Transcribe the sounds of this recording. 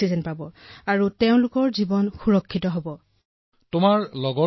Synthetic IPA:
izɛnpabɔaɹuteʊ̃lʊkɔɹzibɔnxuɹɔkʰːitɔɦobɔ | tʊmaɹlɔɡɔ

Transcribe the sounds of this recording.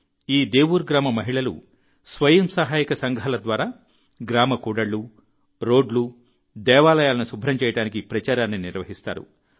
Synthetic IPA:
iːd̪eːʋuɾɡɾaːmɐmɐɦiɭɐlṵ | sʋɐjɐmsɐɦaːjikɐsɐŋɡʱalɐd̪ʋaːɾaː | ɡɾaːmɐkuːɽɐɭːu | ɾo̞ːɖlu | d̪ɛːʋaːlɐjaːlɐnusubʱɾɐmt͡ʃɛːjɐʈaːnikipɾɐt͡ʃaːɾaːnːiniɾʋɐɦist̪a̰ːɾṵ

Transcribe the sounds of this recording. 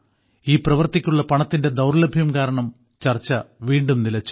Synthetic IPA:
iːprɐʋɐrt̪ikʲːuɭːɐpɐɳɐt̪ːinde̞d̪ɐwɾlɐbʱjɐmkaːɾɐɳɐm | t͡ɕɐrt͡ɕːɐʋiːɳɖumnilɐt͡ɕːu̥

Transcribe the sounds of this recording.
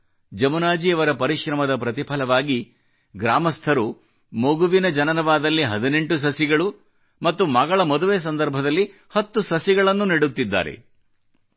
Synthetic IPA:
d͡ʒɐmunaːd͡ʒiɐʋɐɾɐpɐɾiʃɾɐmɐd̪ɐpɾɐt̪ipʰɐlɐʋaːɡi | ɡɾaːmɐst̪ʰɐɾu | moɡuʋinɐd͡ʒɐnɐnɐʋaːd̪ɐlːiɦɐd̪ine̞ɳʈus̬ɐsiɡɐɭu | mɐt̪ːumɐɡɐɭɐmɐd̪uʋeːs̬ɐnd̪ɐɾbʱɐd̪ɐlːi | hɐt̪ːusɐsiɡɐɭɐnːuniɽut̪ːid̪ːa̰ːɾe̞̰

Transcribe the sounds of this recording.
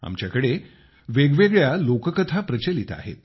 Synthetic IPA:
a̰mt͡ɕjakəɽe | ʋeɡʋeɡɭjalokəkət̪ʰapɾət͡ɕelit̪a̰ɦḛt̪̚

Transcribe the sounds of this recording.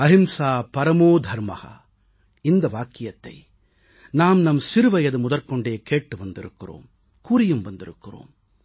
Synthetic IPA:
ɐɦɪmsaːpɐɾɐmoːd̪ʱɐɾmɐ̰hɐ̰ | ɪnd̪ɐʋaːkːɪjɐt̪ːɐ̰ɪ | naːmnɐmsɪɾɯʋɐjɐðɯmʊðɐɾkɔɳɖeːkeːʈːɯʋɐnd̪ɪɾɯ̰kːɪro̰ːm | kuːɾɪjɯmʋɐnd̪ɪɾɯkːɪro̰ːm

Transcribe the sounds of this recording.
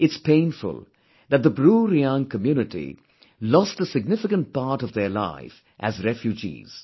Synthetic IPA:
ɪtspẽɪ̃nfʊ̰lˠ | ðæt̚d̪əbɾuɾiãŋkəmjuːnɪʈḭ | lɔstəsɪɡ̚nɪfɪkə̃nt̚paɾʈʌvðəla̰ɪf | ʔæzɾɛfjud͡ʒḭz̥

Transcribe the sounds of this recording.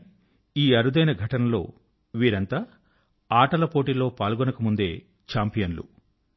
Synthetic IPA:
iːɐɾud̪ɐjnɐɡʱɐʈɐnɐlo̞̰ː | ʋiːɾɐnt̪aː | aːʈɐlɐpo̞ːʈilo̞ːpaːlɡɔnɐkɐmund̪e̞ː | t͡ʃaːmpijɐnlṵ

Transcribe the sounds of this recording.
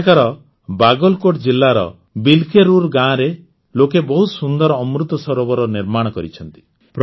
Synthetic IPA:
kaɾɔ | baɡɔlkoʈd͡ʒilːaɾɔ̰ | bilkeɾuɾɡãɾe | lokebɔɦusund̪ɔɾɔɔmɾut̪ɔsɔɾɔbɔɾɔniɾmaɽ̃ɔkɔɾit͡ʃʰɔnt̪i̥ | p

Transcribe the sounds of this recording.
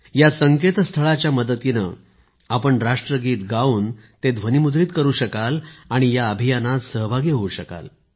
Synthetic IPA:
jasəŋket̪st̪ʰəɭat͡ɕjaməd̪ət̪inə̰ | apəɳɾaʂʈɾəɡiːt̪ɡauːn | t̪ed̪ʱʋənimud̪ɾiːt̪kəɾuːɕəkalaɽ̃ijaəbʱijanasəɦbʱaɡeɦouɕəka̰l

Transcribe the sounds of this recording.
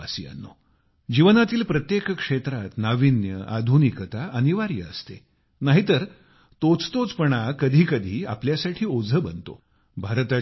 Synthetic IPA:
asḭa̰nːo̰ | d͡ʑiʋənat̪iːlpɾət̪jekkʂet̪ɾat̪naʋinjəʔa̰d̪ʱunikət̪aʔəniʋaɾjə̰ə̰st̪ḛ | naɦit̪əɾ | t̪ot͡st̪ot͡spəɳakəd̪ʱiːkəd̪ʱiːa̰pljasaʈʰiːod͡zʱəbənt̪o̰ | bʱaɾt̪a

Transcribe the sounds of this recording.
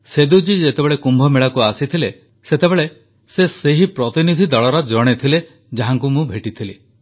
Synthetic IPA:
sed̪ud͡ʒid͡ʒet̪ebeɭekumbʱɔmeɭakuasit̪ʰile | set̪ebeɭe | seseɦipɾɔt̪inid̪ʱid̪ɔɭɔɾɔd͡ʒɔɽ̃et̪ʰile | d͡ʒaɦaŋkumũbʱeʈit̪ʰili

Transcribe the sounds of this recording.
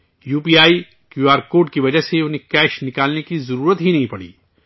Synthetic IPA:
juːpiːaːi | kjuːaːɾkoːɖkiʋɐd͡ʒəɦseʊnɦekɛːʃnɪkaːlnekizɐɾuːɾət̪ɦinɐɦĩpɐɽḭː

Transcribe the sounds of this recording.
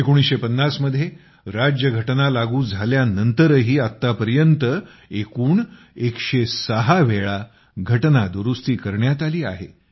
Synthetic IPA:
ekoɽ̃isɕepənːasməd̪ʱːje | ɾad͡ʑjəɡʱəʈnalaɡuːd͡zʱaljanənt̪əɾɦiːat̪ːapəɾjənt̪ə | ekuːɳ | ekɕesəɦaʋeɭa | ɡʱəʈnad̪uɾust̪iːkəɾɳjat̪aliːa̰ɦḛ

